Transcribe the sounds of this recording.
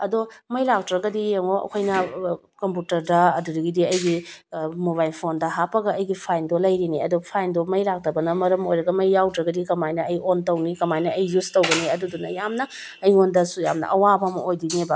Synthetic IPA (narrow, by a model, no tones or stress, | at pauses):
ɐdomɐjlak̚tɾɐɡɐdijeŋoɐ̰kʰojnɐ | kɐmputɐɾdɐɐdudɐɡidiɐjɡimoβajlpʰondɐɦapɐɡɐɐjɡipʰajndolɐjɾiniɐdopʰajndomɐjlak̚tɐbɐnɐmɐɾɐmojɾɐɡɐmɐjːawdɾɐɡɐdikɐmajnɐɐjontɐwnikɐmajnɐɐjːustowɡɐniɐdudunɐjamnɐː | jŋondɐsujamnɐ̰ʔɐwabɐmɐ̰ojdiniba